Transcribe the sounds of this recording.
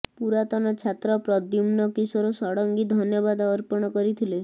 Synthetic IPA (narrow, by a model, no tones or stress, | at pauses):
puɾat̪ɔnɔt͡ʃʰat̪ɾɔpɾɔd̪jumnɔkisɔɾosɔɽɔŋɡid̪ʱɔnjɔbad̪ɔːɾpɔɽ̃ɔkɔɾit̪ʰile